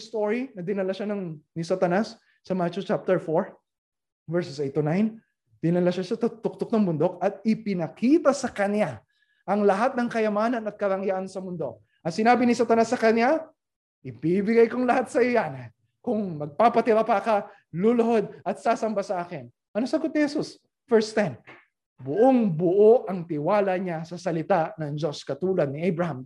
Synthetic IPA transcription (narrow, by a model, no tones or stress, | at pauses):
st̪oɹinɐd̪ɪnɐlaʃanɐŋnɪsat̪ɐnasː | ɐmat͡ʃot͡ʃap̚t̪ɛɹfoɹ | vɛɹssejt̪ːonajn | d̪̥ɪnɐlaʃasɐt̪ʊt̪ʊk̚t̪ok̚nɐŋbʊnd̪o̞k̚ɐt̪̚ɪpɪnɐkiːt̪ɐsɐkɐnja | ʔɐŋlɐɦat̪̚nɐŋkɐjɐmaːnɐnɐt̪̚kɐɾɐŋjaʔɐnsɐmʊnd̪o̞k̚ | ʔɐt̪sɪnaːbɪnɪsat̪ɐnasːɐkɐnja | ʔɪbibɪɡajkoŋlɐhat̪̚sɐjo̞jan | kʊŋmɐɡ̚paːpɐt̪ɪɾapɐka | lolʊɦod̪̚ʔɐt̪̚saːsɐmbasɐʔaːkɪn | ʔɐnosɐɡot̪̚nɪhɛsus | fɛɹst̪ɛn | bʊʔoŋbʊʔoʔɐŋt̪ɪwaːlɐɲasɐsɐlɪt̪aʔnɐŋd͡ʒo̞skɐt̪uːlɐd̪̚nɪʔajbɹɐham